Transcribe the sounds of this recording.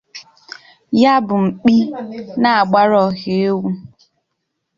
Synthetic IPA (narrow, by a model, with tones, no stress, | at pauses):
ja˦bʊ˨ŋ͡m̩˨k͡pi˦na˨a˨ɡ͡ba˦ɾɔ˨ɣe˨e˦wu˦